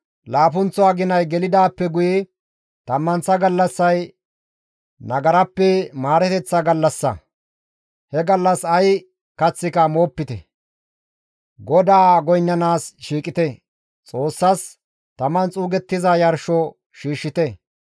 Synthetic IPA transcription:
laːfʊnt͡sːɔaɡɪnɐjɡɛlɪd̪aːpːɛɡʊjɛ | t̪ɐmːɐnt͡sːɐɡɐlːɐsːɐj | nɐɡɐɾɐpːɛmaːɾɛt̪ɛt͡sːɐɡɐlːɐsːɐ̰ | hɛɡɐlːɐsɐj | kɐt͡sːɪkɐmoːpːɪt̪ɛ | ɡɔd̪aːɡɔjnːɐnaːsʃiːkʼɪt̪ɛ | t͡sʼo̞ːsːɐs | t̪ɐmɐnt͡sʼuːɡɛt̪ːɪzɐjɐɾʃɔ | ʃiːʃːɪt̪ɛ

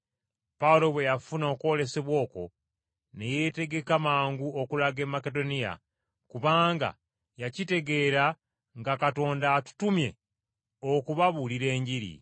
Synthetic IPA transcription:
paulo̞βwe̞jafuno̞ːkwo̞le̞se̞βwo̞ːko̞̰ | ne̞je̞te̞ɡe̞kamaːŋɡuo̞kulaɡe̞mːake̞do̞nija̰ | kuβaːŋɡa̰ | jacite̞ɡe̞ɾa | ŋɡakato̞ːndatu̥tumje̞ | okuβaβuliɾe̞ːɲɟiɾḭ

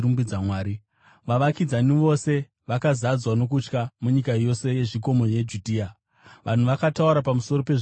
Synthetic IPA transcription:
ɾumbid͡zamwaːɾi | ʋaʋakid͡zaniʋo̞se̞ | ʋakazad͡zwano̞k̬ut͡ʃkamuɲikajo̞se̞je̞ʐiko̞mo̞je̞d͡ʒudʱiːa | ʋʔan̤uʋakatauɾapamuso̞ɾo̞peʐ

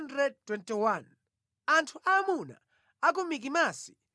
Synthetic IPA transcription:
ndɾɛd̚twɛntiwan | antʰuʔamuna̰ | ak̬umik̬imaːsi̥

